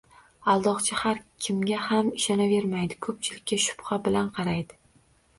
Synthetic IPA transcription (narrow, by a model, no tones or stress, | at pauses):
alˠd̪ɒqt͡ʃʰahaɾkʲʰɪmɡʲahamɪʃɒnave̞ɾmajd̪ɪkʰɵp̚t͡ʃʰɪlɪk̚ʲːaʃʊ̥phabɪlanqʰɑɾajd̪ɪ